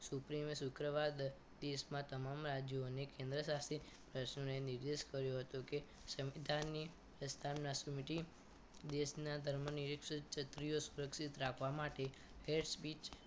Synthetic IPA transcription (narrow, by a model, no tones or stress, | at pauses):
supɾimsukɾəʋad̪ | d̪eʃmãt̪əmamɾad͡ʒjonekẽnd̪ɾəsast̪ʰi | pɾəʃnoneniɾd̪eʃkəɾjoɦət̪uke | sə̃ʋʋid̪ʱanːi | pɾəst̪ʰamnasumiʈi | d̪eʃnad̪ʱəɾməniɾikʃt͡ʃʰət̪ɾijosuɾəkʃit̪ɾakʰʋamaʈe | heɖspit͡ʃ